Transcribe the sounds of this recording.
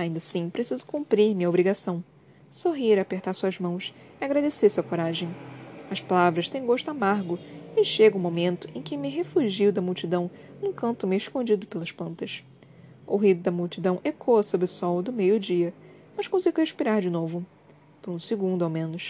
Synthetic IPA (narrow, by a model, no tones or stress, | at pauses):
aĩnd̪ɐsĩpɾesizʊ̥kũpɾiɾmĩɲɐobɾiɡasɐ̃w̃ | soɦiɾɐːpeχt̪aɾsuɐzmɐ̃w̃s | ɪaɡɾad̪esesɐkoɾaʒẽj̃ɐʃpalavɾɐʃt̪ẽj̃ɡoʃt̪ʊamaɾɡʊɪʃeɡɐũmomẽnt̪ʊ̥ẽj̃kɪmɪɦefuʒiwd̪ɐmuwt͡ʃid̪ɐ̃w̃nũkɐ̃nt̪ʊmeɪʃkõd͡ʒid̪ʊpelɐʃplɐ̃nt̪ɐs | ʊɦid̪ʊd̪ɐmuwt͡ʃid̪ɐ̃w̃ʔekʰoɐsobɾɪsɔwd̪ʊmejʊd͡ʒiɐ | mɐʃkõsiɡʊheʃpiɾaɾd͡ʒɪnovʊ | pʊɾũsɪɡũnd̪ʊawmẽnʊʃ